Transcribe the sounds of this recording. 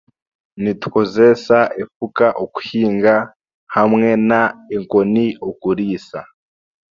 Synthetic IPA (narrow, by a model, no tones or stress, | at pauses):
nitu̥kozesaʔefukaʔoku̥hiːŋɡa | hamŋe̞naeŋkoniokuɾiːsa